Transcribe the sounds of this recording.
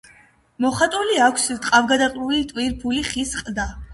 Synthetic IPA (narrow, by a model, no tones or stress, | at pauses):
mɔχat̪ʼuliakʰst̪ʼqʼavɡad̪aχʼlulit̪ʼwiɾpʰuliχisqʼd̪a